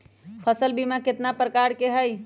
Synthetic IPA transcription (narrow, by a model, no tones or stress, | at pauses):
pʰəsəlbimaket̪napɾəkaɾkeɦəj